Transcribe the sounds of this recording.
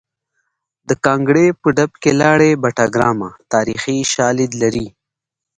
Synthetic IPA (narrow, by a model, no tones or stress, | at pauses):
d̪əkɑːŋɡɽepəɖapkelɑːɽebaʈaɡɾɑmat̪ɑɾixiʃɑːlɪd̪laɾi